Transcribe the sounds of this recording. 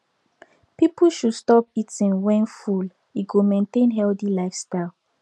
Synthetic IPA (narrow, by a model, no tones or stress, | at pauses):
pipuʃudstɔpitĩŋwɛ̃nful | iɡomẽntẽnɦɛlθilaɪfstaɪl